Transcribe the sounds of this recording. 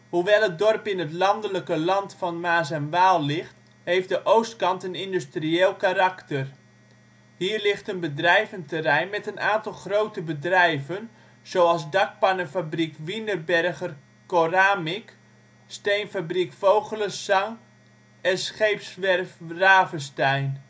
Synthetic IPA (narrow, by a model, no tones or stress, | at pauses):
huʋɛlˠət̚dɔrpɪnətlɑndələkəlɑntfɑnmaːzənʋaːlˠlɪxt | hejfdəʔowstkɑntənɪndystrieːlˠkaɾɑktər | hiːrlɪxtənbədrɛjvəntərɛjnmɛtənaːntɑlˠχrowtəbədrɛjvən | z̥owɑlˠzdɑk̚panəfabrikʋinərbɛrɣər | koraːmɪk | stejnfabrikfowɣələsɑŋ | ɛnsχejpsʋɛrfraːvəstɛjn